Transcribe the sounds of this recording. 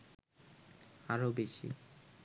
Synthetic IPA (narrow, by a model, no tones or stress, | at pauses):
aɾobeʃḭ